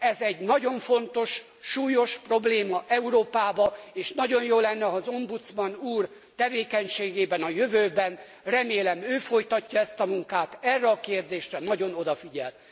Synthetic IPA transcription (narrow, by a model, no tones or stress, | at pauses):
ɛzɛɟnɒɟo̞ɱfo̞nt̪o̞ʃ | ʃuːjo̞ʃpro̞bleːmɒʔɛuɾoːpaːbɒeːʃnɒɟonjoːlːɛnːɛɒzo̞mbut̪smɒnuːr | t̪ɛveːkɛɲʃeːɡeːbɛnɒjøvøːbɛn | rɛmeːlɛmøːfo̞jt̪ɒcːɒɛst̪ɒmuŋkaːt̪ɛrːɛɒkeːrd̪eːʃrɛnɒɟo̞no̞d̪ɒfiɟɛ̰l